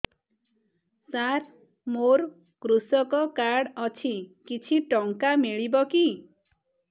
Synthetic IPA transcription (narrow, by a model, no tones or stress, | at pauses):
saɾ | moɾ | kɾusɔkɔkaɽɔt͡ʃʰikit͡ʃʰiʈɔŋkamiɭibɔki